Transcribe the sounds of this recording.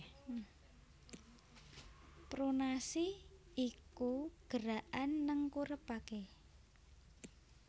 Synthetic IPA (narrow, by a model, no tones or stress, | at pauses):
pɾonasiikuɡ̥əɾaʔanːəŋkuɾəpake